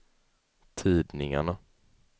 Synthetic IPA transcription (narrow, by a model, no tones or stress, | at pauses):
t̪ʰiːd̪nɪŋa̰ɳa